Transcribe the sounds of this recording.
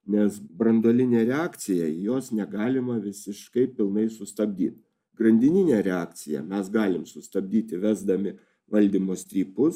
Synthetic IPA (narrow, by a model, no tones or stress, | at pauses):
nʲɛsbɾɐnd̪oːlʲɪnʲeːɾʲɛɑːkt̪sʲɪjɛjoːsnʲɛɡɑːlʲɪmɐʋʲɪsʲɪʃkɐɪpʲɪlˠnɐɪsʊst̪ɐbʲd̪ʲiːt̪ | ɡɾɐnʲd̪ʲɪnʲɪnʲeːɾʲɛɑːk̚t̪t͡s̪ʲɪjɛ̰mʲɛsɡɑːlʲɪmsʊst̪ɐbʲd̪ʲiːt̪ʲɪʋʲæːzd̪ɐmʲɪ | ʋɐlʲd̪ʲiːmoːsʲt̪ʲɾʲiːpʊs